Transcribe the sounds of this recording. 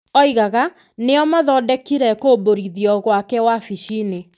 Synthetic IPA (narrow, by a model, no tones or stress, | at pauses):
ɔiɣaɣa | neɔmaðɔdɛkiɾɛkoboɾiðjɔɣwakɛwafiʃine